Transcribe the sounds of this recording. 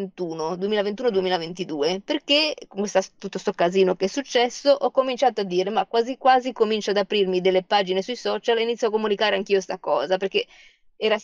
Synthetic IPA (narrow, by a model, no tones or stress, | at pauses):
nt̪uːnod̪uemiːlavent̪uːnod̪uemiːlavent̪id̪uːeperkekoŋkwest̪ast̪ut̪ːost̪okːaziːnokeɛsːut͡ʃːɛsːoʔɔkːomint͡ʃaːt̪oad̪ːiːɾemakːwaːzikwaːzikomint͡ʃoad̪apɾirmid̪elːepaːd͡ʒinesujsɔːt͡ʃalinit̪sjɔakːomunikaːɾeaŋk̟iːost̪akɔːzaperk̟e | ɛːɾa